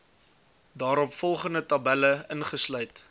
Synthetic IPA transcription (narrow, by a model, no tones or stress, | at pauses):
dɑːɾɔpfɔlˠχəndətɐbæləənχəslœɥt